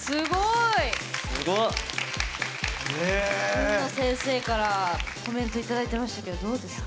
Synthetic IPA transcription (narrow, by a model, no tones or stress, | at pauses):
sɨɡoisɨɡo | enosẽ̞ɰ̃se̞ːkaɾako̞mẽ̞nt̪o̞it̪ad̪ait̪e̞maɕi̥t̪ake̞d̪od̪o̞ːd̪e̞sɨ̥k